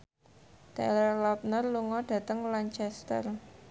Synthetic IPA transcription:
d̪̥ɛlərlɔp̚nərluŋɔɖ̥ä̤t̪əŋlaɲt͡ʃɛst̪ə̰r

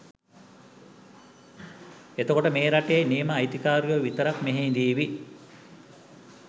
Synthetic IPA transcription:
et̪əkoʈəmeːɾaʈejejniːməːjt̪ikaːɾujoʋit̪əɾakmeɦeːnd̪iːʋi

